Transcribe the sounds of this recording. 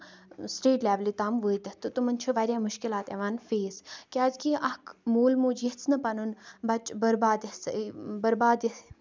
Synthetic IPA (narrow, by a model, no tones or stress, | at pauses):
sʈeːʈlʲɛːʋlit̪aːmʋuːit̪ɐt̪ɨt̪umɐnt͡ʃʰuʋaːɾʲjaːmʊʃkɪlaːt̪eʋaːnfeːzkʲaːzkiːʔɐkmuːlmuːd͡ʒjɐt͡sʰnɐpɐnunbɐt͡ʃbɐɾbaːd̪jɐsbɐɾbaːd̪jɐs